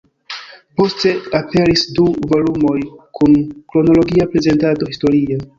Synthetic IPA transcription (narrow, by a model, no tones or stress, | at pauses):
po̞ste̞ape̞ɾisduvo̞lumo̞jkʰunkɾo̞no̞lo̞ɡiapɾe̞ze̞ntado̞histoɾia